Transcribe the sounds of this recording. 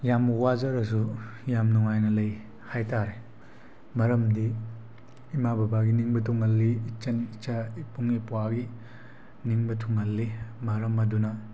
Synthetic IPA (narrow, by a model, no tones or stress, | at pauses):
jamwazɐɾɐs̬ujamnuŋajnɐlɐj | hajtaɾe | mɐɾɐmdiː | mababaɡiniŋbɐtʰuŋɐlːiːt͡ʃɐnit͡ʃaipuŋipwaɡi | niŋbɐtʰuŋɐlːimɐɾɐmɐdunɐ